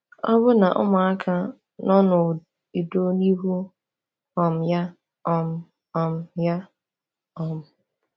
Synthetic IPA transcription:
ɔ˦βʊ˦na˨ʔʊ̰˦mʊ˨a˦kʰa˦ | nɔ˦nʊ˨ | i˨do˦ni˦ɦu˦ | ɔ˨m̩˨ja˦ | ɔ˨m̩˨ | ɔ˨m̩˨ja˦ | ɔ˨m̩˨

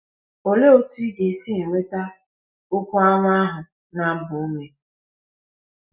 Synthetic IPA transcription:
o˨le˦o˦ti˦ɡe˨si˦e˨ŋʷe˦ta˦ | ʊ˦ku˦a˦ŋʷ˦a˦ɦʊ˨ | na˦bʊ˨˦me˨

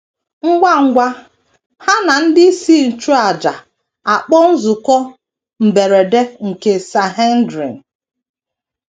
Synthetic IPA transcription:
ŋ̩˦ɡʷa˦ŋ̩˦ɡʷa˦ | ha˦na˨n̩˦dɪ˦i˦si˦˨n̩˨t͡ʃu˦a˨d͡ʒa˨ | a˨k͡pɔ˦n̩˦zʊ˨kɔ˦ | m̩˨be˨ɾe˨de˦ŋ̩˨ke˨sa˨ɦe˦n̩˦dɾi˨n̩˨

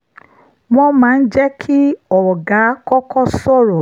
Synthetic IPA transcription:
mɔ̃˧mãː˦˧n̩˦d͡ʒɛ˦kʰi˦ɔ˨ɡa˨˦kɔ˦kɔ˦sɔ˦˨ɾɔ˨

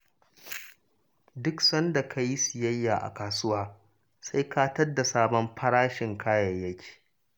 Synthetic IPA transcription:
dʊ˦ksɐ˦nda˨kʰa˦ji˦sɪ˨jɐ˦jːaː˨ʔa̰˨kaː˨sʊ˦waː˦ | sa˦jkaː˦tɐ˦rda˨saː˦bɔ˦mɸʰɐ˦ɽaː˦ʃɪ˨ŋkʰaː˦jɐ˨jːɐ˦kʲʰi̥ː˨

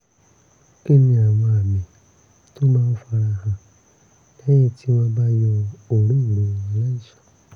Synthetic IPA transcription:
e˦˨nĩ˧a˨w̃ɔ̃˧a˨mĩ˨˦ | to˦mãː˦o˧fa˧ɾa˧˨hã˧ | nɛ̃˦ĩ˦˧˨tʰi˦wɔ̃˧ba˦jɔ̃˧o˨ɾĩ˦˨ɾo˨˦˨ĩ˧˦la˦i˦˨ʃḁ˨

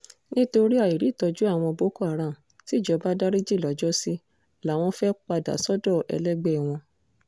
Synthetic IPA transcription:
nĩ˦to˧ɾi˦a˧˨i˨ɾi˨˦˨tɔ˧d͡ʒu˦a˦˨w̃ɔ̃˧bo˨˦ko˦a˦˨ɾ̃ã˨ | ti˨˦˨d͡ʒɔ˧ba˦da˦ɾi˦d͡ʒi˦˨lɔ˨˦d͡ʒɔ˦si˦ | la˨˦w̃ɔ̃˧fɛ˦k͡pa˧da̰˨sɔ˦dɔ˦˨ʔɛ̰˧lɛ˦ɡ͡bɛ˦˨w̃ɔ̃˧

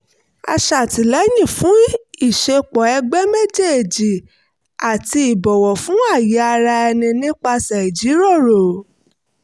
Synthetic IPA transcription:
a̰˧ʃa˨ti˨lɛ˨˦jĩ˦˨fũ˨˦i˦˨ʃe˧k͡pɔ˨ɛ˧ɡ͡bɛ˦me˦d͡ʒe˦˨e˨d͡ʒi˨ | a˨ti˧i˨bɔ˨wɔ˨fũ˨˦a˦˨ji˨˦a˧ɾa˧ɛ˧nĩ˧nĩ˦k͡pa˧sa˨i˨d͡ʒi˨˦ɾɔ˦˨ɾo˨

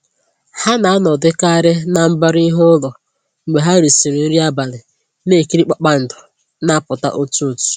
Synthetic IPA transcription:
ha˦na˨a˦nɔ˨dɪ˦ka˦ɾɪ˦na˨m̩˦ba˦ɾi˦ɦʊ˦lɔ˨ | ŋ͡m̩˨ɡ͡be˨ɦa˦ɾi˨si˨ɾe˨n̩˦ɾi˦a˦ba˨lɪ˨ | ne˦˨ki˦ɾi˦k͡pa˨k͡pa˦n̩˨dʊ˨ | na˦pʊ˨ta̰˦ʔo˦tu˦o˨tu̥˨

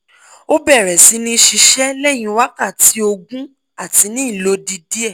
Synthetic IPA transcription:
o˦bɛ˦˨ɾɛ˨si˨˦nĩ˦ʃi˧ʃɛ˦lɛ˦˨j̃ĩ˧wa˦ka˦˨ti˨˦o˧ɡũ˦ | a˦˨ti˨˦nĩ˨˦i˦˨lo˨˦di˧di˦ɛ˦˨

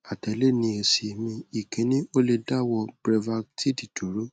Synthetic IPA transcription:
a˨tɛ˨le˦nĩ˧e˧se˧mĩ˧i˨kĩ˨˦nĩ˦o˦le˧da˦wɔ˧bɾɛ˧va˧ti˦di˨to˨˦ɾo˦

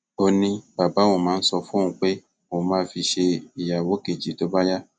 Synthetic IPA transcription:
o˧nĩ˧ba˨ba˨˦o˦˨mãː˨˦n̩˦sɔ˧fũ˦˧ũ˧k͡pe˦ | o˨mãː˦fi˧ʃe˧i˨ja˨wo˨˦ke˨d͡ʒi˨˦to˨˦ba˦ja˦

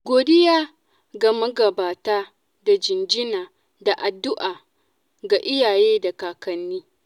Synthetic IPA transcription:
ɡʷoː˨dɪ˦jaː˦ | ɡa˨mɐ˦ɡɐ˨baː˨taː˦ | da˨d͡ʒɪ˨nd͡ʒɪ˦naː˨ | da˨ʔa˨dːʊ˦ʔaː˨ | ɡa˨ʔɪ˦jaː˨jeː˦da˨kaː˨kɐ˨nːiː˦

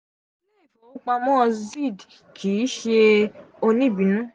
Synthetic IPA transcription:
le˦˨fo˨u˦k͡pa˧mɔ̃˦˧zi˦˨d | kʰi˨˦ʃe˧o˧nĩ˦˨bĩ˨nũ˦

